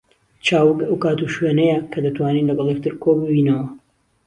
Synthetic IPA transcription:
t͡ʃaːwɨkɐwkaːt̪uʃweːnɐjɛkʰɐd̪ɐt̪waːniːnlɐɡɐlˠjek̚t̪ɨɾkʰobɨbinɐwɐ

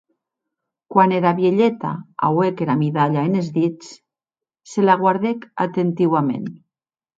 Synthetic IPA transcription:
kwaneɾaβjeʎet̪a̰a̰wekeɾamiðaʎaenezðit͡s | selaɣwaɾðeka̰t̪ent̪iwamḛn

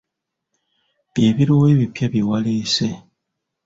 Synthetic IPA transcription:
bjeːβiɾoweβipjaβiwalese

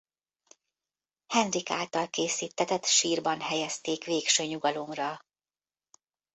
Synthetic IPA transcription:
hɛnrika̰ːlt̪ɒlkeːsiːt̪ʰːɛt̪ɛt̪ʃiːrbɒnɦɛjɛst̪eːkʋeːkʃøːɲuɡɒlo̞mrɒ

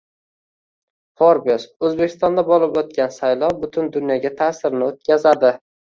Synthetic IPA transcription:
χoɾbosɵzbe̞kʲʰɪ̥st̪ɒnd̪abɒlˠɪpot̪̚kʲansajlˠɒwbʊt̪ʰʊnd̪ʊnjɒɡʲat̪ʰaːsɪɾnɪot̪̚kʲazad̪ɪ

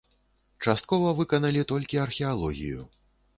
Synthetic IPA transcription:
t͡ʂast̪̚kɔvɐvɨkɐnɐlʲit̪ɔlʲkʲiɐrxʲɛalˠɔɣʲḭjṵ

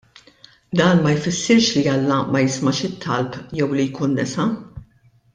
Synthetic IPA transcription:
d̪ɐːnmɐjfɪsːɪɾʃliɐlːɐmɐjɪsmɐʃɪt̪ʰːɐlpjɛwlijkuːnːɛsɐ

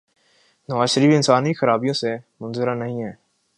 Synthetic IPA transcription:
nəʋaːzʃəɾiːfɪnsaːnixəɾaːbijõsemʊnzɪɾanɐɦĩːɦɛː

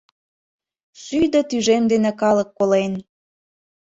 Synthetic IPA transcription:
syjd̪ɤt̪yʒemd̪enekɑləkːolen

